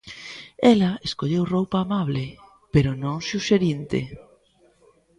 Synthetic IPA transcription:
ɛlɐeskoʎewrowpaːmaβlɪ | peɾʊnõŋsuʃeɾint̪ɪ̰

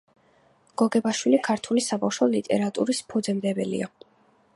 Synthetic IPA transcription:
ɡ̥ɔɡɛbaʃwilikʰaɾt̪ʰulisabafʃɔlit̪ʼɛ̰ɾat̪ʼṵɾispʰɔd̪zɛmd̪ɛbɛlḭa̰

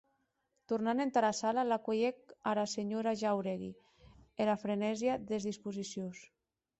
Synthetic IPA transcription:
t̪urnanent̪aɾasalalakojek̚aɾaseɲoɾaʒawɾeɣḭ | elafɾenɛzjaðezðispuzisjos

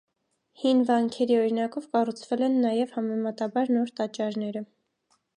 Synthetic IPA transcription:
hinvɑŋkʰɛɾiɔɾinɑkɔvkɑrut͡sʰvɛlɛnːɑjɛvhɑmɛmɑt̪ɑbɑɾnɔɾt̪ɑt͡ʃɑɾnɛɾə

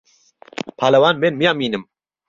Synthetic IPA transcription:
pʰaːlɛwaːnmeːnmijaːmiːnɨm

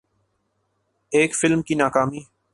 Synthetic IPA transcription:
eːkfɪlmkiːnaːkaːmiː

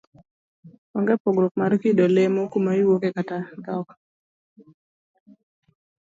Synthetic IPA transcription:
ɔŋɡɛpoɡɾok̚maɾkidolemokumajwokekatadɔk

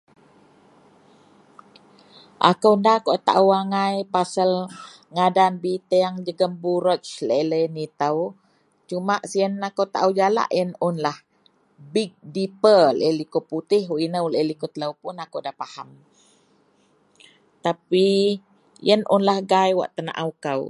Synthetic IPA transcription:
ʔa̰kəwndahkoʔt̪a̰ʔuwaŋajpasəl | ŋadanbit̪əaŋd͡ʒəɡəmbuɾɔt͡ʃləiləjənit̪əw | t͡ʃumaʔsiənakowt̪aʔuwd͡ʒala̰ʔjənʊnlah | bik̚dipələ̰jlikoput̪ɪhuʔinəwləəlikot̪ləwpunakowdapaham | t̪api | jənʔunlahɡajwa̰ʔt̪əna̰ʔawkaw

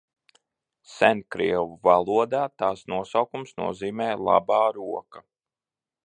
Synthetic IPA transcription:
sɛnkɾḭɛwuvalˠuɔd̪aːt̪aːsnuɔsawkumsnṵɔziːmɛːlˠa̰bɑːɾuɔka

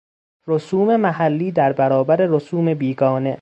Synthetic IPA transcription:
ɾosuːme̞mæhælːiːd̪æɾbæɾɒːbæɾe̞ɾosuːme̞biːɡɒːne̞

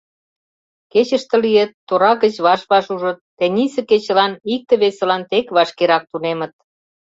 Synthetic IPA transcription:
ket͡ɕə̆ʃt̪ə̆liet̪ːoɾɑɣət͡ɕβɑʃβɑʃuʒə̆t̪ːenʲisĕket͡ɕə̆lɑnik̚t̪ĕβesə̆lɑnt̪ekβɑʃkeɾɑk̚t̪unemə̆t̪̚

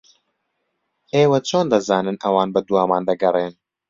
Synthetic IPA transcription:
ʔeːwɐt͡ʃʰoːnd̪ɐzaːnɨnʔɐwaːnbɐd̪uaːmaːnd̪ɐɡɐreːn

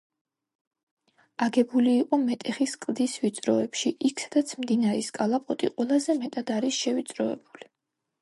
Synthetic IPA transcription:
aɡɛbuliːqʼɔmɛt̪ʼɛχiskʼlˠd̪isvit̪sʼɾɔɛpʃiʔikʰsad̪at̪sʰmd̪inaɾɛskʼalˠapʼɔt̪ʼḭqʼwɛlˠazɛmɛt̪ʼad̪aɾisʃɛvit̪sʼɾɔɛ̰buli

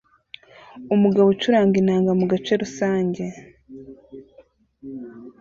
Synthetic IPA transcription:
umuɡaβot͡ʃuɾaːŋɡinaːŋɡamuɡat͡ʃe̞ɾusaːɲɟe̞

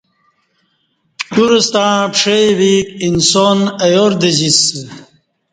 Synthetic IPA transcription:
kuɾust̪ãːpʂewiːkinsoːnɐjoːɾd̪eʑis

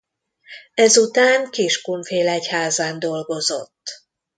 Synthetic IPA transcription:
ɛzut̪aːŋkiʃkunfeːlɛchaːzaːnd̪o̞lɡo̞zo̞̰t̪ː

